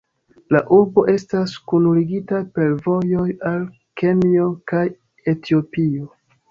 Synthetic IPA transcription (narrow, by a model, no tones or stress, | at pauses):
laʔuɾbo̞ʔe̞staskunuliɡitape̞lvo̞jo̞jal | ke̞nio̞kaj | e̞tio̞pio